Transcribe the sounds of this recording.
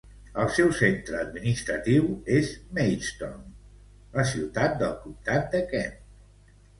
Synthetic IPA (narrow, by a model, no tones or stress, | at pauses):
əlˠsɛwsent̪ɾəːd̪minist̪ɾət̪iwezmɛjst̪o̰n | ləsiwt̪at̪̚d̪əlˠkumt̪at̪̚d̪əkɛm